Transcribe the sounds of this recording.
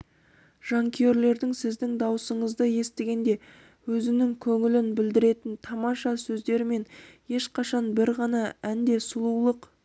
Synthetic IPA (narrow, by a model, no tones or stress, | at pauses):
ʒ̥ɑŋkʲʰeɾle̞ɾd̪ɪŋsɪzd̪ɪŋd̪ɑwsəɴəzd̪əje̞st̪eɡʲe̞nd̪e̞ | wɵzɪnɪŋkʲʰɵŋɪlɪnbɪld̪ɪɾe̞t̪ɪnt̪ʰɑmɑʃɑsɵzd̪e̞ɾɪme̞nje̞ʃqɑʃɑnbɪɾʁɑnɑænd̪e̞sʊlˠuwlˠəq